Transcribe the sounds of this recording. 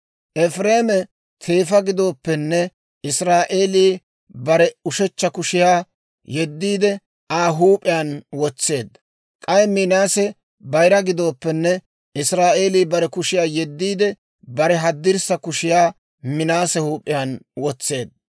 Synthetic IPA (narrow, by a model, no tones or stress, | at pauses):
ʔɛfɾeːmɛ | t̪ʰe̞ːfɐɡɪd̪o̞ːpːɛnːɛ | ɪsɾaːʔe̞ːliː | bɐɾɛʊʃɛt͡ʃːɐkʊʃɪjaː | jɛd̪ːiːd̪ɛ | aːɦuːpʼːɪjaːnwɔt͡sːe̞ːd̪ɐ | kʼɐjmɪnaːsɛ | bɐjɾɐɡɪd̪o̞ːpːɛnːɛ | ɪsɾaːʔe̞ːliːbɐɾɛkʊʃɪjaːjɛd̪ːiːd̪ɛ | bɐɾɛɦɐd̪ːɪɾsɐkʊʃɪjaː | mɪnaːsɛhuːpʼːɪjaːnwɔt͡sːe̞ːd̪̚